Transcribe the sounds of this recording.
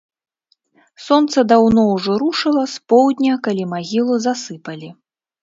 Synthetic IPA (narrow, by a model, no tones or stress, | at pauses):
sɔnt̪sɐd̪awnɔwʐɔɾuʂɨlˠɐspɔwd̪ʲnʲɐkalʲimaɣʲilˠuzasɨpɐlʲi